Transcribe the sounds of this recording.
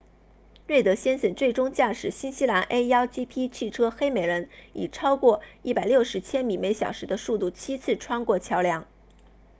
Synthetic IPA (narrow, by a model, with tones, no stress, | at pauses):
ɻe˥˩ɪt̪ɤ˧˥ɕjɛ˥nɕə˨˩nt͡swe˥˩ɪʈ͡ʂʊ˥ŋt͡ɕja˥˩ʂɻ̩˨˩ɕi˥nɕi˥la˧˥nʔe˥ɪɑ˥ʊt͡ɕi˥pʰi˥t͡ɕʰi˥˩ʈ͡ʂʰɤ˥xe˥ɪme˨˩ɪɻə˧˥ni˨˩ʈ͡ʂʰɑ˥ʊkwɔ˥˧i˥˩pa˨˩ɪljo˥˩ʊʂɻ̩˧˥t͡ɕʰjɛ˥nmi˨˩me˧˥ɪɕjɑ˨˩ʊʂɻ̩˧˥d̪ə˧su˥˧t̪u˥˩t͡ɕʰi˥t͡sʰɹ̩˥˩ʈ͡ʂʰwɑ˥ŋkwɔ˥˩t͡ɕʰjɑ˧˥ʊljɑ˥˩ŋ